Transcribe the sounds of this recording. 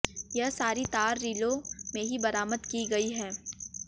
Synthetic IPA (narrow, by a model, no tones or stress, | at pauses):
jɐɦsaːɾit̪aːɾːiːlomẽɦibɐɾaːməd̪kiɡɐiɦɛː